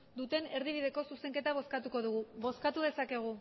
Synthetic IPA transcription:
d̪ut̪e̞ne̞ɾðiβ̞iðe̞ko̞suse̞ŋke̞t̪aβ̞o̞skat̪uko̞ðuɣuβo̞skat̪uð̞e̞sake̞ɣ̞u

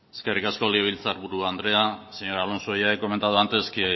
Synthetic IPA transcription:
e̥ske̞rikasko̞lieβ̞ilt͡saɾβuɾuand̪ɾe̞aseɲo̞ɾalo̞nso̞jaeko̞me̞nt̪aðuant̪eski

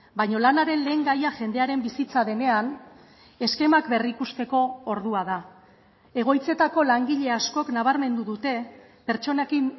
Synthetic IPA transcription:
bajɲo̞lanaɾe̞nle̞ːŋɡajaʝe̞nd̪e̞aɾe̞mbisit͡saðe̞ne̞an | e̞ske̞makbe̞rikust̪e̞ko̞ːɾðuaða | e̞ɣ̞o̞jt͡se̞t̪ako̞laŋɡiʎe̞asko̞knaβ̞aɾme̞nd̪uðut̪e̞ | pe̞ɾt͡ʃo̞nekin

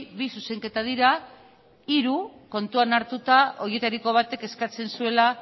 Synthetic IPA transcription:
βisuse̞ŋke̞t̪að̞iɾa | iɾuko̞nt̪uanaɾt̪ut̪ao̞ɾje̞t̪aɾiko̞β̞at̪e̞ke̞skat͡se̞nsue̞la

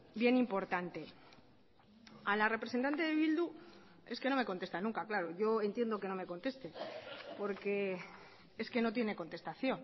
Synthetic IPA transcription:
bje̞nimpo̞ɾt̪ant̪e̞ | alare̞pɾesent̪ant̪e̞ðeβild̪u | e̞ske̞no̞me̞ko̞nt̪est̪anũŋkaklaɾoʝo̞e̞nt̪je̞nd̪o̞ke̞no̞me̞ko̞nt̪e̞st̪e̞po̞ɾke̞ | e̞ske̞no̞t̪̬je̞ne̞ko̞nt̪e̞st̪aθjo̞n

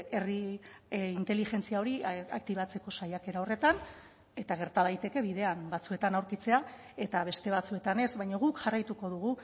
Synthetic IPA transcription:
e̞ri | int̪elixe̞nt͡siao̞ɾiak̚t̪iβat͡se̞ko̞sajake̞ɾao̞re̞t̪an | e̞t̪aɣ̞eɾt̪að̞ajt̪e̞ke̞βiðe̞ambat͡sue̞t̪anawɾkit͡se̞a | e̞t̪aβ̞e̞st̪e̞βat͡sue̞t̪ane̞sβajɲoɣ̞ukʝarajt̪uko̞ðuɣ̞u

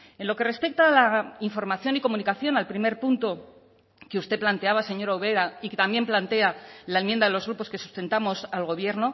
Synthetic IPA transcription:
e̞nlo̞ke̞re̞spe̞k̚t̪aːlaiɱfo̞ɾmaθjo̞niko̞munikaθjo̞nalpɾime̞ɾpunt̪o̞ | keust̪e̞plant̪e̞aβase̞ɲo̞ɾaoβeɾaiket̪ambje̞mplant̪e̞alaemjend̪aðe̞lo̞zɣ̞ɾupo̞ske̞su̥st̪e̞nt̪amo̞salɣ̞o̞β̞je̞ɾno̞

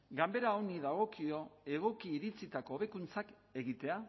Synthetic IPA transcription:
ɡambe̞ɾaoniðaɣ̞o̞kio̞e̞ɣ̞o̞kiːɾit͡sit̪ako̞ːβe̞kunt͡sak | e̞ɣit̪e̞a

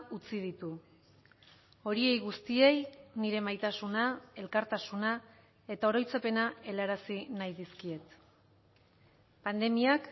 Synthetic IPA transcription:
ut͡siðit̪u | o̞ɾie̞jɣust̪ie̞jniɾe̞majt̪asunae̞lkaɾt̪asuna | e̞t̪ao̞ɾo̞jt͡sape̞nae̞laɾasinajðiskie̞t̪ | pand̪e̞miak

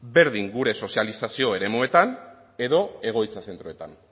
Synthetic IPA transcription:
be̞ɾðiŋɡuɾe̞so̞sialisasio̞e̞ɾe̞mue̞t̪an | e̞ðo̞e̞ɣ̞o̞jt͡sase̞nt̪ɾoe̞t̪a̰n

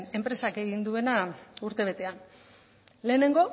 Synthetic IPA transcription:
ne̞mpɾe̞sake̞ɣ̞ind̪ue̞nauɾt̪e̞β̞e̞t̪e̞an | le̞ːne̞ŋɡo̞

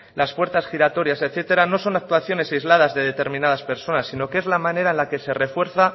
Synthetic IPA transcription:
laspwe̞ɾt̪asxiɾat̪o̞ɾjaseθe̞t̪e̞ɾano̞so̞nak̚t̪waθjo̞ne̞sajzlað̞azðe̞ðe̞t̪e̞ɾmĩnað̞aspe̞ɾso̞nasːino̞ke̞zlamãneɾaenlake̞se̞re̞fwe̞ɾθa

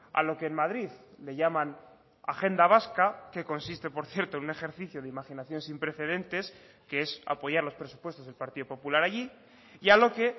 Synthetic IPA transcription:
a̰lo̞ke̞ːnmað̞ɾiðleʝamãn | a̰xe̞nd̪aβ̞askake̞ko̞nsist̪e̞po̞ɾθje̞ɾt̪oenune̞xe̞ɾθiθjoðeimaxinaθjo̞nsimpɾe̞θe̞ð̞e̞nt̪e̞s | kee̞sa̰po̞ʝaɾlo̞spɾe̞su̥pwe̞st̪o̞zðe̞lpaɾt̪iðo̞po̞pulaɾaʝi | ialo̞ke̞

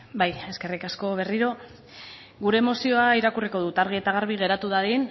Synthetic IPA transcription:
baje̞ske̞rikasko̞β̞e̞riɾo̞ | ɡuɾe̞ːmo̞sio̞aiɾakuriko̞ð̞ut̪aɾɣ̞ie̞t̪aɣ̞aɾβiɣe̞ɾat̪uðaðin

